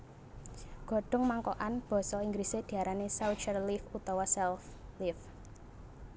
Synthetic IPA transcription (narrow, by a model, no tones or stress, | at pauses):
ɡ̥ɔ̤ɖ̥ɔ̤ŋmaŋkɔʔanb̥ɔ̤sɔiŋɡɾised̪̥i̤aɾanesawt͡ʃərlifut̪ɔwasɛlflif